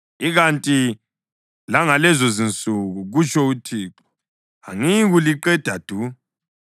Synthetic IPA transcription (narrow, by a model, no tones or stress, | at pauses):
iɣantʼi | laŋalɛzozint͡sʼuɣuɣut͡ʃʰʼɔutʰiːǁɔ̥ | a̰ŋiɣuliǃɛd̥ʱad̥ʱu